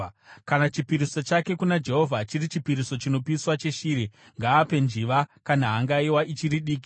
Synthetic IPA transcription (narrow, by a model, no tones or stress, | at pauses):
kanat͡ʃipiɾisot͡ʃake̞kunad͡ʒe̞ɦo̞vʱat͡ʃiɾit͡ʃipiɾiso̞t͡ʃino̞piswat͡ʃe̞ʃiːɾe | ŋɡaːpe̞nd͡ʒiʋakanaɦaŋɡaiwaʔit͡ʃiɾiɗiːk̬i